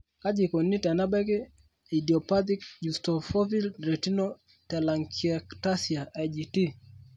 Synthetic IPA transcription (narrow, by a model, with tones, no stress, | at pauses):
ka˦d͡ʒi˨ko˨ni˦ta˨na˦bɛ˦kɪ˦ | i˨di˨ɔ˨pa˦t̪̬i˦kju˨stɔ˨fɔ˦fi˦lɾe˨ti˦no˦ | tɛ˨la˨ŋkiɛ˨kta˦si˨a˨ʔa˨d͡ʒi˨ti˦